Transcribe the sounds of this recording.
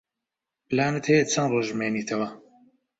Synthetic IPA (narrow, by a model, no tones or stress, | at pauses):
pɨlaːnɨt̪hejet̪̚t͡sʰɐnroːʒmeːniːt̪ʰɐwɐ